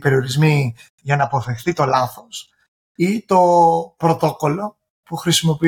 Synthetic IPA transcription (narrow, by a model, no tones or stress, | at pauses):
pe̞ɾio̞ɾizmi | ʝɐnɐːpo̞θe̞xθit̪o̞lɐθo̞s | it̪o̞pɾo̞t̪o̞ko̞lo̞ | puxɾisimo̞pi